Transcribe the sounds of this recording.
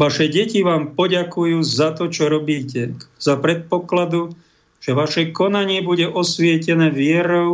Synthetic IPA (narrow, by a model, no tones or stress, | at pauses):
ʋaʃɛɟɛciʋaːmpɔɟakujuːzat̪ɔt͡ʃɔɾɔbiːcɛz̥apɾɛt̪̚pɔklad̪u | ʒ̥ɛʋaʃɛkɔnaɲɪɛbuɟɛʔɔsʋɪɛcɛnɛːʋɪɛɾɔʊ